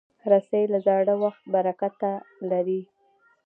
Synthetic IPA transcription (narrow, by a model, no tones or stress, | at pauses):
ɾasajlazɑɽəwaxt̪̚baɾakat̪alaɾi